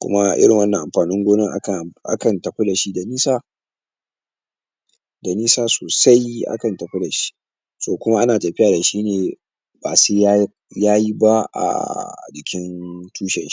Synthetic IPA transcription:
kʷʊ̰˦ma˦ʔɪ̰˦ɽɪ˨ŋwɐ˦nːɐ˨ʔa̰˨mɸaː˨nɪ˦ŋɡʷoː˦nɪ˦ŋʔa˦˨ʔa̰˦kɐ˨ntɐ˨ɸe˦da˨ʃi˦da˨niː˦saː˦ | da˨niː˦saː˦soː˨sa˦jʔa̰˦kɐ˨ntɐ˨ɸo˦da˨ʃi̥˦ | soː˦kʷʊ˦ma˦ʔa˦naː˨tɐ˨ɸɪ˦jaː˨da˨ʃiː˦neː˨ | ba̰˨su˦ | jaː˦ji˦ba˦ʔa̰˨d͡ʒɪ˨kʲɪ˦ntʰuː˦ʃɛ˨nʃi̥˦

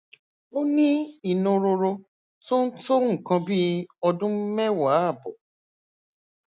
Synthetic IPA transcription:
o˦nĩ˦i˨nũ˧ɾo˧ɾo˧ | to˦n̩˦to˦ŋ̩˨kã˧bi˦ɔ˧dũ˦m̩˦mɛ˦wa˨˦a˦˨bɔ˨

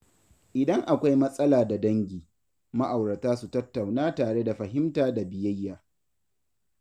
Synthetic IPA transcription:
ʔɪ˨dɐ˦ŋʔa˨kʷa˦jmɐ˦sʼɐ˦laː˨da˨dɐ˦ŋɡʲiː˨ | ma˦ʔa˨wɽɐ˨taː˦su˨tɐ˦tːa˨wnaː˦taː˨ɽe˦da˨ɸɐ˨ɦɪ˦mtaː˦da˨bɪ˨jɐ˦jːaː˨

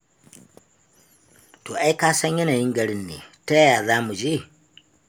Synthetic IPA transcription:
to˨ʔa˦i˦kaː˦sa˦ɲje˦na˨ji˦ŋɡa˦ɾi˦nːḛ˨te˦ja˨ðaː˦mu˨d͡ʒi˦

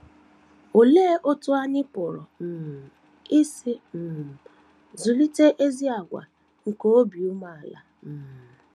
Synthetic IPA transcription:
o˨leː˦ʔo˦tʊ˦a˦nɪ˦pʊ˨ɾɔ˨m̩˨ | i˦si˦m̩˨ | zu˨li˦te˦ʔe˦zi˦a˨ɡʷa̰˨ | ŋ̩˨ko˦o˦bi˨u˦ma˨a˨la̰˨

